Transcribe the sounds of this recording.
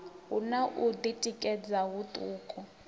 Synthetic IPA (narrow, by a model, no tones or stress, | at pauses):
unaʔud̪itʼikʼɛd͡zaɦut̪ʼuːkʼɔ